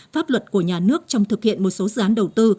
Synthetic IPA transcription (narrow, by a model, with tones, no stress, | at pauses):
faː˦˥p̚lwə˨˩t̚ku˧˩əɲaː˨˩nɨ˦˥ək̚t͡ɕɔ˧wŋ͡mt̪ʰɨ˨˩k̚hḭ˧˨ənmo˨˩t̚so˨˦zɨ̰˧˨ʔaː˨˦nɗə˨˩wt̪ɨ˧